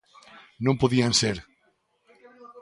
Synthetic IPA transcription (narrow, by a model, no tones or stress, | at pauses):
nõmpoðianseɾ